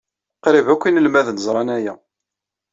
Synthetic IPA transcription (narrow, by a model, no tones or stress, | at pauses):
qɾɪvækʷːinəlmæðnəzˤɾˤɑnæjæ